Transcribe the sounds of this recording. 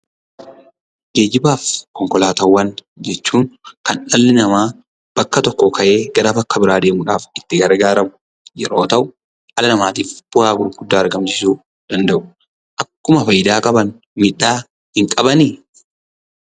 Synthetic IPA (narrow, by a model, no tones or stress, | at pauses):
d͡ʒeːd͡ʒɪbaːfkɔŋkɔlaːt̪ɐwːɐn | d͡ʒɛt͡ʃːuːŋkɐnɐlːɪnɐmaː | b̥ɐkːɐt̪ɔkːɔkʰɐʔe̞ːɡɐɾafɐkːɐbɪɾaːd̪e̞ːmʊᶑaːfɪt̪ːɪɡɐɾɡaːɾɐmʊ̥ | jɛɾo̞ːt̪ɐʔʊ | hɐlɐnɐmaːt̪iːfb̥ʊhaːɡʊɾɡ̥ʊd̪ːaːɐɾɡɐmsɪsuː | d̪̥ɐnd̪ɐʔʊ̥ | ʔɐkːʊmɐfɐjɪd̪aːkʼɐbɐn | miᶑːaː | hɪŋkʼɐbɐniː